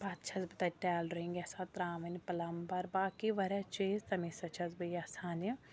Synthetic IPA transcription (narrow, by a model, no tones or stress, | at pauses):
bɐt̪t͡ʃʰɐzbɨt̪ɐʈɛːlɾiŋɡʲɐsat̪ɾaːʋɐnipɐlɐmbɐɾbaːkiʋɐɾɛt͡ʃeːzt̪ɐmisɐt͡ʃʰɐzbɨjɐsaːni